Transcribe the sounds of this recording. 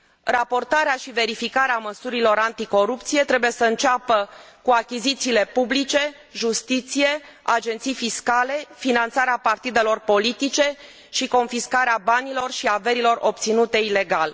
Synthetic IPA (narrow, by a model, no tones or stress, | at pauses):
rapo̞rt̪aɾeaʃive̞ɾifikaɾeaməsuɾilo̞ɾant̪iko̞ɾup̚t̪sije̞t̪ɾe̞buje̞səɨnt͡ʃapə | kuakʲizit̪siːle̞publit͡ʃe̞ | ʒust̪it̪sije̞ | a̰d͡ʒe̞nt̪sijfiskale̞finant̪saɾeapart̪id̪e̞lo̞rpo̞lit̪it͡ʃe̞ | ʃiko̞nfiskaɾeabanilo̞rʃiave̞ɾilo̞ro̞pt̪sinut̪e̞ile̞ɡal